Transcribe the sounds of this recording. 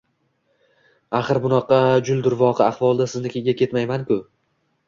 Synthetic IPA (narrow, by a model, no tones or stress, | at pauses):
aχɨɾbʊnɑqɑd͡ʒʊlˠd̪ʊɾvɒqʰɨaχvɒlˠd̪asɪznɪkʲʰeɡʲakʲʰe̞t̪majmankʊ